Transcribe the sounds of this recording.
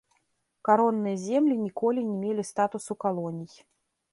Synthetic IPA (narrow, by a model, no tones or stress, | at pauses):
kaɾɔnːɨjɐzʲɛmlʲinʲikɔlʲinʲɛmʲelʲist̪at̪usukalˠɔnʲij